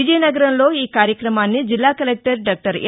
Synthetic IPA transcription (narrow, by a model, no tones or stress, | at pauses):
id͡ʒɛːnɐɡɐɾɐmlo̞ːiːkaːɾjɐkɾɐmaːnːid͡ʒilːaːkɐlek̚ʈɐɾɖaːk̚ʈɐɾ